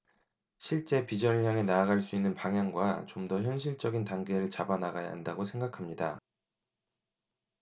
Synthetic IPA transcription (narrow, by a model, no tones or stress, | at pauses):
ɕʰiɭt͡ɕ͈e̞pid͡ʑʌnɲjaŋenaːɡaɭs͈uinːɯnpaŋɦjaŋɡwat͡ɕomdʌçjʌnɕ̬ʰiɭt͡ɕ͈ʌɡintaŋɡe̞ɾɯɭt͡ɕabanaɡaja̰ɦandaɡosʰe̞ŋɡakʰamɲida